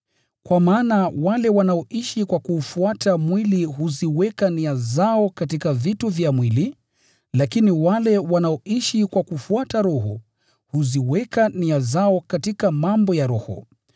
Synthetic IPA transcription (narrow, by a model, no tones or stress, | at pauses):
kwamaːnawalɛwanaɔiʃikwakuːfuatʰamwiliɦuziwɛkaniazaɔkatikavituvjamwili | lakiniwalɛwanaɔʔiʃikwakufuataɾɔɦɔ | huziwɛkaniazaɔkatikamambɔjaɾɔhɔ̰